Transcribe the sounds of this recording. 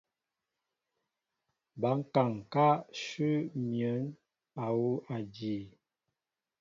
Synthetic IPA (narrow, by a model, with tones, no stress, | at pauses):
ba˨˦ŋ̩˦ka˨ŋ˨ka˦ʃʉ˦mjə˨˦n | a˨wu˦ʔa˨di˨